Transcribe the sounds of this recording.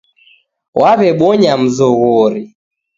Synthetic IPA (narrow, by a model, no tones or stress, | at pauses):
wʔaβɛɓɔɲam̩zɔɣɔɾi